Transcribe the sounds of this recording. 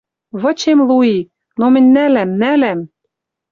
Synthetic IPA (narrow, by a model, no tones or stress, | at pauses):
βɤ̆t͡ɕemlui | nomɘ̆nʲnælæmnælæm